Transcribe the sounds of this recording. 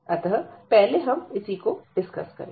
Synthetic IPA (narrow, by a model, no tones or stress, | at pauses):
ɐt̪ɦəpɛɦleɦɐmɪsikoɖɪskɐ̰skɐ̰ɾẽ